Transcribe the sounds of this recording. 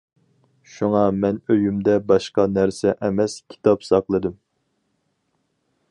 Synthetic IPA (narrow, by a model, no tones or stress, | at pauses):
ʃuŋɑmɛnøjymd̪ɛbɑʃqɑnæɾsɛʔɛmɛskʲʰi̥t̪ʰɑpsɑχlˠɨd̪ɨm